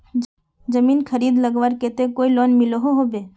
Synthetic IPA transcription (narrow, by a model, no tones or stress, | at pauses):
d͡ʒəmiːnkʰəɾiːd̪ləɡʋaɾket̪ekoilɔnmɪloɦoɦobeː